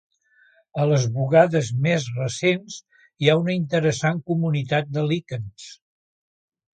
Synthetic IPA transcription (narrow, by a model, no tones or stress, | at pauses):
ələzβuɣaðəzmezrəsens | iaunəint̪əɾəsaŋkumunit̪at̪̚d̪əlikəns